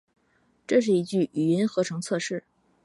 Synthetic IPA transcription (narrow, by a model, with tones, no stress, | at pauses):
ʈ͡ʂɤ˥˧ʂ̬ɻ̩˥˩i˧˥t͡ɕy˥˩y˨˩ɥɛ˧˥nxɤ˧˥ʈ͡ʂʰɤ˧˥ŋt͡sʰɤ˥˧ʂɻ̩˥˩